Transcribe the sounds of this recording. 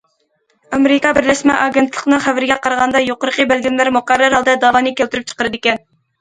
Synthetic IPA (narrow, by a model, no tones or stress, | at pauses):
ɑmeɾɪkɑbɪɾlɛʃmɛ̰ʔɑɡʲent̪ʰlˠəqənɨχævɪɾɡʲɛqʰɑɾəʁɑnd̪ɑjoqəɾəqʰəbælɡʲimlæɾmʊqɑrːɑɾɑlˠd̪ɑd̪ɑːvɑnɨkʲælt̪yɾyp̚t͡ʃʰə̥qəɾɨd̪ɪkʲɛn